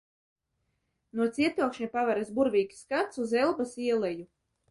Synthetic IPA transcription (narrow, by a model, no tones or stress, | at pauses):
nuɔt̪sʲiɛt̪uɔkʃɲʲipavɛɾesbuɾvʲiːkʲi̥skat̪suzɛlˠbasiɛlˠɛju